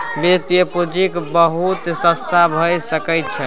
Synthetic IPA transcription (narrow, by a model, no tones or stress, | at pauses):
bet̪jəpud͡ʒikbəɦut̪sə̃st̪ʰabʱəjsəkɛjt̪̚t͡ʃʰɛ